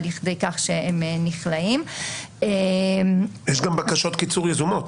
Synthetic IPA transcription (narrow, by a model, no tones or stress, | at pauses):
liχd̪ejkaχʃeemniχlaim | e | jɛʃɡambakaʃo̞t̪kit͡suʁjezumot̪